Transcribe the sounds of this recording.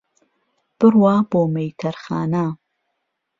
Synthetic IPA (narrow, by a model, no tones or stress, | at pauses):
b̥ɨrwaːboːmejtʰɐɾxa̰ːna